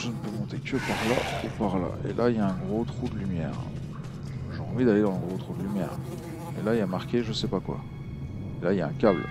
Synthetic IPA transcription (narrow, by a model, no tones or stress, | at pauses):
ʒənəpømɔ̃t̪ekʲəpaʁlaupaʁla̰ʔḛlʔailjaɛ̃ɡʁot̪χud̪əlymjɛ̰ːʁ | ʒeɑ̃vid̪aled̪ɑ̃zɛ̃ɡʁot̪χud̪əlymjɛ̰ːʁ | ḛlaiamaʁkʲeʒəsɛpakwa̰ | elailjaɛ̃kʲal